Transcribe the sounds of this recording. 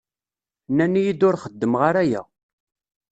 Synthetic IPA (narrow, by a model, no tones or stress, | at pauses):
nːænijid̪ʊɾχəd̪ːəmʁaɾæjæ̰